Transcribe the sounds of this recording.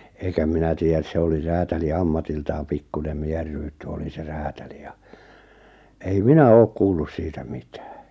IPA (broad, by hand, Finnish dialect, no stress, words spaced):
eikæ minæ tiːjːæs se oli ræːtæli ɑmːɑtiltɑːm pikːunem mieher̆ rytːy oli se ræːtæli jɑ ei minæ oːk kuːlːus siːtæ mi̥tæ̥ː